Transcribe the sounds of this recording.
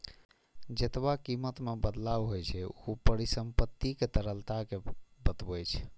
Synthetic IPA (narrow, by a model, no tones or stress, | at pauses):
d͡ʒet̪bakimət̪mebəd̪labɦojt͡ʃʰɛopəɾisəmpət̪ːiket̪əɾəlt̪akebət̪bəjt͡ʃʰ